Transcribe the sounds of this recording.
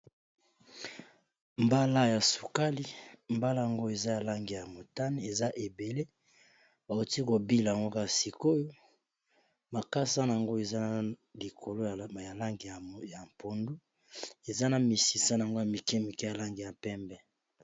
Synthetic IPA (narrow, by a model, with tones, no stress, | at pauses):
mba˦la˦ja˨su˨ka˦li˦mba˦la˦ja˨ŋɡo˦e˨za˦ja˨la˦ŋɡi˨ja˨mo˨ta˦ni˦e˨za˦ʔe˨be˨le˦ | ba˨o˨ti˦ko˨bi˦la˨a˨ŋɡo˦ka˨si˨ko˦jo˦ | ma˨ka˦sa˦na˨a˨ŋɡo˦e˨za˦n˨li˨kʰo˨lo˦˨ja˨la˦ŋɡi˨ja˨mpo˨ndu˦ | e˨za˦na˨mi˨si˨sa˦na˨ŋɡo˦ja˨mi˨kɛ˦mi˨kɛ˦ja˨la˦ŋɡi˨ja˨pɛ˦mbɛ˦